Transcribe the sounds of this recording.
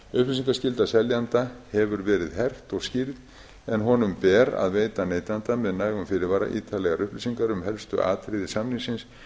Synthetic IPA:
ʏhplis̬iŋkascɪlt̪asɛljant̪ahɛvʏɾvɛːɾɪðɦɛr̥t̪ɔɣscɪɾð | ɛnɦɔnʏmpɛːɾa̰ðveːjt̪aneːjt̪ant̪amɛðnaːjɣʏmfɪɾɪɾvaːɾa̰ʔiːt̪ʰalɛɣaɾʏhplisiŋkaɾʏmɦɛlst̪ʏ̰ʔa̰ːt̪ʰɾɪðɪsamniŋsɪns

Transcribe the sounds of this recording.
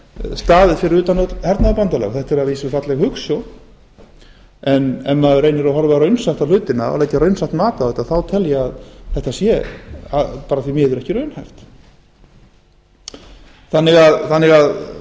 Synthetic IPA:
st̪aːðɪfɪɾɪɾʏːt̪anot̪hɛɾt̪naðɪpant̪alɛ̰ɣθɛht̪ɛɾaðviːsɪfat̪lɛɣhʏksjɔ | ɛnɛmːaðɾeːjnɪɾaɦɔɾvaɾœɥnsaht̪awl̥ʏːt̪ɪnːaa̰lajcaɾœɥnsaht̪maːt̪awɛːt̪ːaθawt̪ʰɛljaaðθɛht̪asjɛapaːɾaθvimɛːðʏɾɛhcɪɾœɥnhajft̪ | θanːɪɣaðθanːɪɣað

